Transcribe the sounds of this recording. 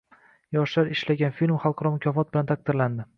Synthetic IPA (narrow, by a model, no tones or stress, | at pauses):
jɒʃlaɾɪʃlaɡʲanfilʲmχɑlˠqʰɑɾɒmʊkʲʰɒfɒt̪̚bɪlant̪ʰak̚t̪ɪɾland̪ɪ